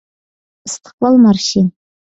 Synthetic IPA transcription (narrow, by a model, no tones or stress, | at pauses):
stʰqʷʼalmarʃin